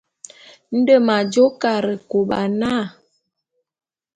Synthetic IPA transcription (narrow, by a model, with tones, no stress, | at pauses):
n̩˦də˦˨ma˨d͡ʒo˦ka˨ɾə˨ko˨ɓa˨na˦˨